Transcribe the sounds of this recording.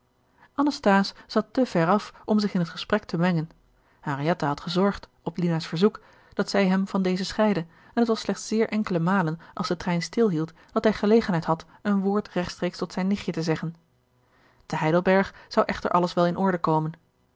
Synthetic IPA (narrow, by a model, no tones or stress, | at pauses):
ʔɑnɑstaːsz̥ɑtəv̥ɛɹɑfɔmzɪχɪnɦətχəsprɛk̚təmɛŋən | harijɛtaɦɑtχəzɔɹχt | ɔplinasfəɹzuk | d̥ɑtsɛjɦɛmvɑndejzəsχɛjdə | ɛnətʋɑslɛχtsɪːɹʔɛŋkələmaːlənʔɑlˠzsdətrɛjnstɪlˠɦilˠt | d̥ɑtɦɛjχəlejχənɦɛjtɦɑt | ənʋʊːɹtrɛχtstrejkstɔtsɛjnːɪχjətəzɛχən | təɦɛjdəlˠbɛɹχz̥ɑwʔɛχtə̰ɹʔɑləsʋɛlˠɪnʔɔɹdəkowmən